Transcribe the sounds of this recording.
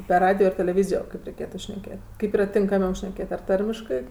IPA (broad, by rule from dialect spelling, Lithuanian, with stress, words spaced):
pʲɛr ˈrɑːdʲɪjoː ɪr tʲɛlʲɛˈʋʲiːzʲɪjoː ˈkɐɪp rʲɛɪˈkʲeːtʊ ʃʲnʲɛˈkʲeːtʲ ˈkɐɪp ˈiːrɐ tʲɪŋkɐˈmʲɛʊ ʃʲnʲɛˈkʲeːt ɐr ˈtɐrʲmʲɪʃkɜ